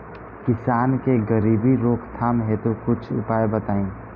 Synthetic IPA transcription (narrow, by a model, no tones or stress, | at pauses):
kɪsaːnkeɡəɾiːbiɾoːkʰt̪ʰaːmɦet̪okʊt͡ʃʰʊ̰paːebət̪aːĩː